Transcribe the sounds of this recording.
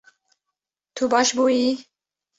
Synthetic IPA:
t̪ʰubɑːʃbuːji

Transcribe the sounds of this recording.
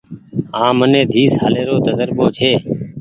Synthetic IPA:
ãːmənẽːd̪ʱiːsɦaːleːɾoːt̪əzəɾɓoːt͡ʃʰeː

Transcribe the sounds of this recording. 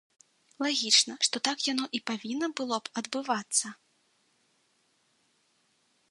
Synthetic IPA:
lˠaɣʲit͡ʂnɐʂt̪ɔt̪akjanɔʔipavʲinːɐbɨlˠɔpɐd̪bɨvat̪sːɐ

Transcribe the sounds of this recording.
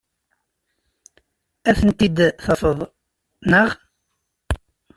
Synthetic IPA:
æθənt̪id̪θɑfəðˤ | nəʁ

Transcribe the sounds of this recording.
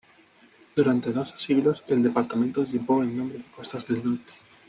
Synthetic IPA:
d̪̥uɾant̪eðo̞sḁsiɣlo̞se̞ld̪e̞paɾt̪amẽnt̪oʎeβoenːõmbɾeðeko̞st̪azðe̞lnoɾt̪e̥

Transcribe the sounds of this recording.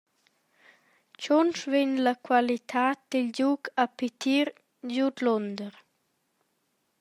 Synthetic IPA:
t͡ʃɔnsveɲləkʰwalit̪ʰaːt̪̚d̪̥ild͡ʑuɡapit̪ʰiɾ | d͡ʑud̪lɔnd̪əɾ

